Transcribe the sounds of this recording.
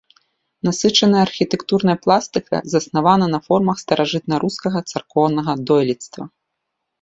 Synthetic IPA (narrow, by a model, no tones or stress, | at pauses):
nasɨt͡ʂɐnɐjɐːrxʲit̪ɛkt̪urnɐjɐplˠast̪ɨkʰɐ̰zɐsnavanɐnɐfɔrmɐxst̪ɐɾʔaʐɨt̪̚nɐɾuskɐɣɐt̪sarkɔwnɐɣɐd̪ɔjlʲit̪st̪vɐ̰